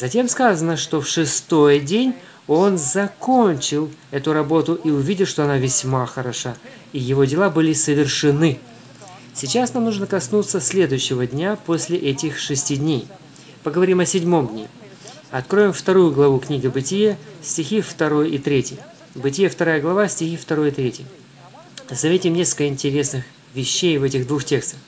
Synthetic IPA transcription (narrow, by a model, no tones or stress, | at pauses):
zɐtʲe̞mskazənəʂt̪o̞fʂɨst̪o̞jdʲenʲ | o̞nzɐko̞nʲt͡ɕɪlˠɛt̪ʊɾɐbo̞t̪ʊʔiʊvʲidʲɪʂt̪o̞ɐnavʲɪsʲmaxəɾɐʂa | ijɪvo̞dʲɪlˠabɨlʲɪsəvʲɪrʂɨnɨ | sʲɪt͡ɕːasnamnuʐnəkɐsnut̪səsʲlʲe̞d̪ʊjʉɕːɪvədʲnʲapo̞sʲlʲɪʔɛtʲɪxʂɨsʲtʲidʲnʲej | pəɡəvɐɾʲimɐsʲɪdʲmo̞mdʲnʲḛ | ɐt̪kɾo̞jɪmft̪ɐɾujʊɡlˠɐvuknʲiɡʲɪbɨtʲɪjesʲtʲɪxʲift̪ɐɾo̞jit̪ɾʲetʲɪj | bɨtʲɪjeft̪ɐɾajəɡlˠɐvasʲtʲɪxʲift̪ɐɾo̞jɪt̪ɾʲetʲɪj | zɐvʲetʲɪmnʲe̞skəlkəɨɪnʲtʲɪɾʲe̞snɨx | vʲɪɕːejvɛtʲɪɣd̪vuxtʲe̞kst̪əx